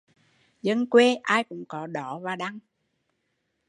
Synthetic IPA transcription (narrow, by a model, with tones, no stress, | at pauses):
zə˧nkwe˧ʔaː˧jkʊ̰˧˥ŋ͡mkɔ˨˦ɗɔ˧˨˦vaː˨˩ɗa˧ŋ